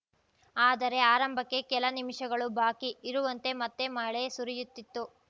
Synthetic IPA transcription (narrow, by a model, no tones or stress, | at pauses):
aːd̪ɐɾe̞aːɾɐmbʱɐkːe̞kɛlɐnimiʂɐɡɐɭubʱaːkiːɾuʋɐnt̪e̞mɐt̪ːe̞mɐɭesuɾijut̪ːit̪ːu